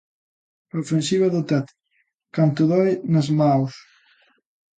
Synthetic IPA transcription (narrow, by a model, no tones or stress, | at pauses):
ofensiβaðot̪at̪ | kant̪uðɔjnɐzmaws